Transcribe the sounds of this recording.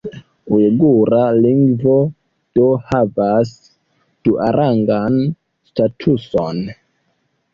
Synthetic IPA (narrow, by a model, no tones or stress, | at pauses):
ueɡuɾaliŋɡvo̞ | d̥ohavas | d̥uʔaɾʔaŋɡan | statʰuson